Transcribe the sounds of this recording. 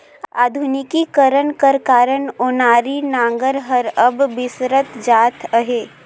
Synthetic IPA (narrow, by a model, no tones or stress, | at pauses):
a̰ːd̪ʱunɪkikəɾənkəɾkaːɾənonaːɾinãːŋɡəɾɦəɾəbːɪsɾət̪d͡ʒaːt̪ʰəɦeː